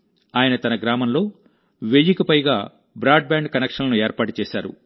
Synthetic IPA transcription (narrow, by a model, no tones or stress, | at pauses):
aːjɐnɐt̪ɐnɐɡɾaːmɐmlo̞ː | ʋejikɐpɐjɡaː | bɾaːɖ̚baːɳɖkɐnɛkʂɐnlɐnueːɾpaːʈut͡ʃɛːʃaːɾṵ